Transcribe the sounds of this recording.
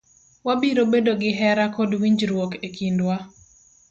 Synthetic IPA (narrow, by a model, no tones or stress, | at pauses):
wabiɾobedoɡɪɦɛɾakodwiɲd͡ʒɾwokekʰindwa